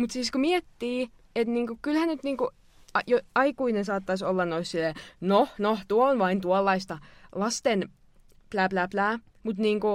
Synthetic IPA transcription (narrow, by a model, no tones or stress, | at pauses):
mut̪siːskomiet̪ːiː | et̪niːŋkukylhænyt̪niːŋku | ɑjoɑikuinesɑːt̪ːɑsʲolːɑnnoissilːenonoht̪uoonʋɑint̪uɑlːɑist̪ɑlɑst̪en | plæːplæːplæː | mut̪niːŋku